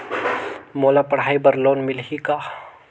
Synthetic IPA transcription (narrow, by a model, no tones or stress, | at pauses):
moːlapɐɽ̤aːibəɾloːnmɪlɦika